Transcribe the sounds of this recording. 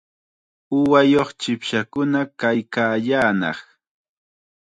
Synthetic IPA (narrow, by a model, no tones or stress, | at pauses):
ʊwajoχt͡ʃɪpʃakʊnakajkaːʎaːnɑ̰χ